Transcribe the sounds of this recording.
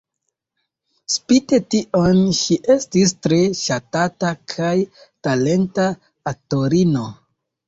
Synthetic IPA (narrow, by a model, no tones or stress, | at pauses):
spite̞tiʔo̞nʃiʔe̞stis̬tɾe̞ʃatatakʰajtale̞nta | ato̞ɾino̞